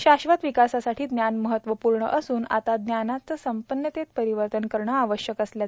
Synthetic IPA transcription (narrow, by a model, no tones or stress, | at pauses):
ɕaɕʋat̪ʋikasasaʈʰiːd̪njanməɦət̪ʋəpuɾɳə̰ʔəsuːna̰t̪ad̪njanat͡səsəmpənːət̪et̪pəɾiʋəɾt̪ənkəɾɳaaʋəɕjəkəslja